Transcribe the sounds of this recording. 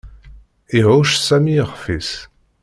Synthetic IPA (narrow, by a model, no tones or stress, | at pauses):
eʁuʃsamiʁfis